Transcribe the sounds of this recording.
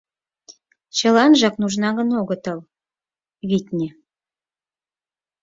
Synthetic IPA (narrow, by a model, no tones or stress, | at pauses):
t͡ɕə̆lɑnʒɑknuʒnɑɣə̆noɣə̆t̪ɤl | βit̪ʲnʲe